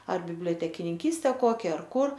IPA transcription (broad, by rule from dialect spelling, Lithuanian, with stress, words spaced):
ɐr bʲɪbʲlʲoːtʲɛkʲɪnʲɪŋʲˈkʲiːsʲtʲɛ ˈkoːkʲɛ ɐr ˈkʊr